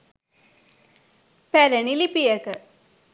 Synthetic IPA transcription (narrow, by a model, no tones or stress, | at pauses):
pæɾənilipijəkə